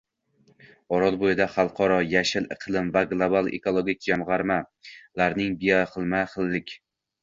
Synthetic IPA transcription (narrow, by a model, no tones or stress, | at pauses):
ɒɾɒlˠbojɪd̪aχɑlˠqʰɒɾɒjaʃɪlɨqʰɨlˠɪmvaɡlˠobalˠḛkolˠoɡʲɪk̚ʲd͡ʒamʁɑɾmalaɾnɪŋbijɒχɨlˠmaχɨlːɪkʲ